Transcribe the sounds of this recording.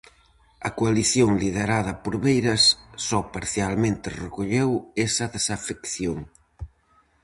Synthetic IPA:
ɐkoaliθjoŋlið̞eɾaðɐpoɾβejɾɐsːɔpaɾθjalmẽnt̪ɪrekoʎewesɐðesafekθjoŋ

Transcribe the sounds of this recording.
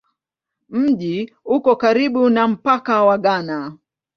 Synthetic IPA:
m̩ʄi | ukɔkaɾiɓunam̩pakawaɠana

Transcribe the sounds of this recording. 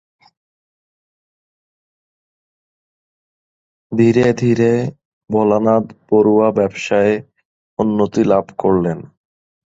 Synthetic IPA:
d̪ʱiɾed̪ʱiɾe | bɔlanad̪poɾuabɛbʃae | unːot̪ilabʱkoɾlen

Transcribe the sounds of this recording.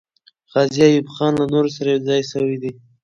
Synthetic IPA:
ɣɑzijajubχɑnlanoɾos̬aɾajewzɑjsəwid̪i

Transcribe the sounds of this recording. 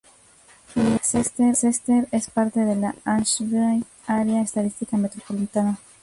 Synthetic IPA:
esest̪eɾsest̪eɾespaɾt̪eðelaansβɾaj | aɾeaest̪aðist̪ikamet̪ɾopolit̪ana

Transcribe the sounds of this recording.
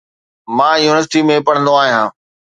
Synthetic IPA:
mãːjuːnɪʋəɾsɪʈimẽpɐɽ̃ə̃nd̪oaːɦijãː

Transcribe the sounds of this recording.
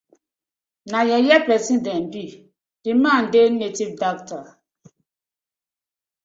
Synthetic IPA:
najɛjɛpɾɛsidɛnbi | d̥iman̩denetip̚dak̚ta

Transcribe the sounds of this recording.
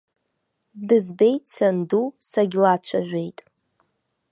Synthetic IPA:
dɨzbe̞jtʼsʰandusaɡʲlat͡ɕʷʰaʕᶣʷejtʼ

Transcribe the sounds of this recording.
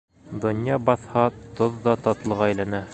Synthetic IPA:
d̪ŏnjɑbɑθhɑt̪oðːɑt̪ɑt̪lˠɤ̆ʁɑæjlænæ

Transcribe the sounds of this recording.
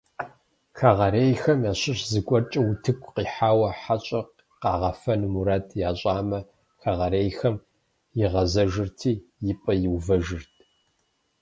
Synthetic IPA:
xaʁɐɾeːjxɐmjaːɕɪɕzɨɡʷʼɔrt͡ʃʼɐwutʰɨkʷʰʼqiːħaːwɐħat͡ʃʼɐq | qɑ̰ːʁɐfɐnmuɾaːtʰjaːɕʼaːmɐ | xaʁɐɾeːjxɐm | jɪʁɐzɐʒɨrtʰiːjɪpʼɐjɪwvɐʒɨrtʰ

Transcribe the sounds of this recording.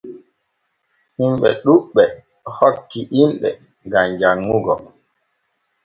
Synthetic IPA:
himɓɛɗuɓːɛ | hɔkːiʔimɓɛ̰ | ɡamd͡ʒaŋːuɡɔ

